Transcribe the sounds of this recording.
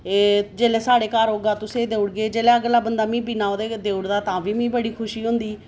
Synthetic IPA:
ed͡ʒeːlɛːsaːɽeːkaːɾɦoːɡaːt̪ʊsẽːd̪eːʊɽɡeːd͡ʒeːlɛːəɡlaːbənd̪aːmĩːbinaːoːd̪eːd̪eːʊɽd̪aːt̪ãːʋiːmĩːbəɽiːkʰʊʃiːɦʊ̃nd̪iː

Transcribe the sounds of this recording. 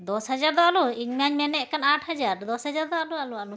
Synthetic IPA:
d̪ɔshad͡ʒaɾd̪ɔaluiɲmaɲmɛnɛʔkanaʈhad͡ʒaɾd̪ɔshad͡ʒaɾd̪ɔalualualu

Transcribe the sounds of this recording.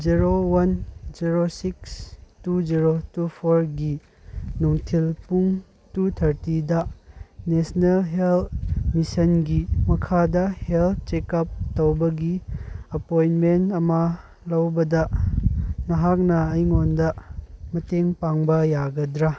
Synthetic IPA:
d͡ʒiɾowɐnd͡ʒiɾosikstud͡ʒiɾotupʰoɾɡi | nuŋtʰilpuŋ | tutʰɐɾtidɐnesnelɦelt̚misɐnɡimɐkʰadɐhel̚ʰt͡ʃekɐp̚towbɐɡiɐpojnmentɐmɐ | lɐwbɐdɐ | nɐɦak̚nɐɐjŋondɐmɐteŋpaŋbɐjaɡɐdɾa

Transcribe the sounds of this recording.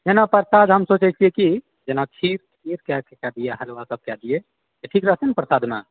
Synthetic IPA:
d͡ʒenapəɾsad̪ɦəmsot͡ʃɛt͡ʃʰijeki | d͡ʒenakʰiɾkʰiɾkɛkekɛd̪ieɦəlʋasəb̚kɛd̪ije | j̪eʈʰikɾəɦət̪ʰənpɾəsad̪ʱmḛ

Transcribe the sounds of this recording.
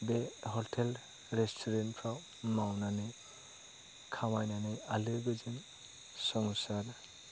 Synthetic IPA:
beɦɔtʰel | ɾestʰɔɾenpʰɾaw | mawnanɯj | kʰamajnanɯjalɯɡɯd͡ʒɯn | sɔŋsaɾ

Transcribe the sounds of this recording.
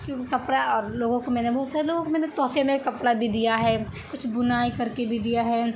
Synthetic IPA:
kjõːkikɐpɽaɔːɾloːɡõkomɛ̃ːnebʱɔɦːt̪saːɾeloːɡõkomɛ̃ːnet̪ɔːfemẽkɐpɽabʱid̪ijaɦɛː | kʊt͡ʃʰbʊnaːikɐɾkebʱid̪ijaɦɛː

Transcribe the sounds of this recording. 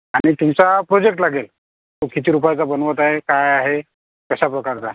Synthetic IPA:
aɽ̃it̪imt͡sapɾod͡ʑek̚ʈlaɡel | t̪okit̪iːɾupajt͡sabənʋət̪aɦekajaɦe | kəɕapɾəkaɾt͡sa

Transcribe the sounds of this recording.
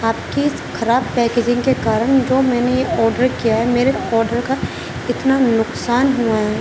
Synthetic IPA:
aːp̚kiɪsxɐɾaːb̚pɛːkeːd͡ʒɪ̃ŋɡkekaːɾəɽ̃d͡ʒoːmɛ̃ːnejeɔːɾɖəɾkijaɦɛmeːɾeɔːɾɖəɾka | ɪt̪nanʊqsaːnɦuaɦɛɛː

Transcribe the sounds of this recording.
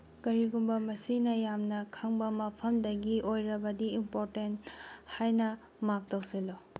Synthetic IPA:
kɐɾiɡumbɐmɐsinɐjamnɐkʰɐŋbɐmɐpʰɐmdɐɡiʔojɾɐbɐdiimpoɾtenthajnɐ | mak̚tawsilɔ

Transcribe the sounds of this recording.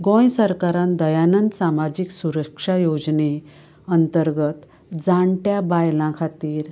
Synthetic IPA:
ɡõjsəɾkaɾand̪əjanənd̪samad͡ʑiksuɾəkʂajod͡ʑne | ənt̪əɾɡət̪ | d͡zaɳʈjabajlãkʰat̪iːɾ

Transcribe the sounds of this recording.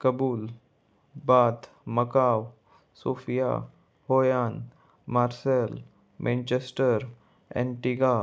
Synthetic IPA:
kəbuːl | baːt̪ | məkaw | soːfija̰ | hoːjan | maːɾsel | mʔẽnt͡ɕesʈəɾ | ɛ̰̃ɳʈiɡa

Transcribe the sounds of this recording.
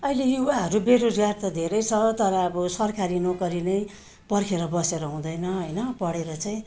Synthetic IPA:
ʌilejuwaɦʌɾubeɾod͡zɡart̪ʌd̪ʱeɾʌjt͡sʰʌt̪ʌɾʌːbʌsʌrkʰaɾinokʌɾinʌj | pʌrkʰeɾʌbʌseɾʌɦũd̪ʌjnʌɦʌjnʌpʌɽeɾʌt͡saĩ

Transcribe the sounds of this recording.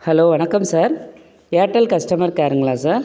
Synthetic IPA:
hɐloːʋɐɳɐkːɐmsaːɾ | jaːʈːɐlkɐsʈɐmɐɾkaːɾɯŋɡɐɭaːsaːɾ

